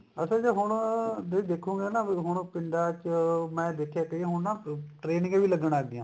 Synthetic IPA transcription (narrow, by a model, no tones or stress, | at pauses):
əsãːd͡ʒaɦʊɳd̪eid̪eːkʰːũːŋɡeːnaːɦʊɳ̃pɪɳɖaːt͡ʃmɛ̃ːd̪eːkʰjaːkəiẽːɦʊɳnaːʈɾeːnɪ̃ŋɡeːʋiːləɡəɽaːɡ̚d̪ɪjãː